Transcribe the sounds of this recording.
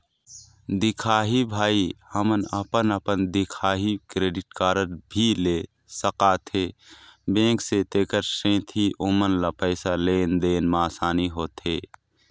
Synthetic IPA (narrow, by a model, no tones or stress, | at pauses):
d̪ɪkʰaːɦibʱaːihəmənə̰pənəpənd̪ɪkʰaːɦikɾeːɖɪʈkaːɾəɾbʱile | səqaːt̪ʰebẽːkset̪eːkəɾsẽːt̪ʰiʔʊmənlapəɪsaleːnd̪eːnmaːsaːniɦoːt̪eː